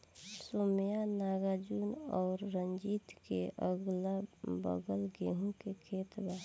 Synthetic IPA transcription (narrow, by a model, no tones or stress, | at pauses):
soːmjanaːɡad͡ʒuːnɔːɾːənd͡ʒiːt̪keʔəɡlabə̰ɡəlɡeːɦũkekʰeːt̪baː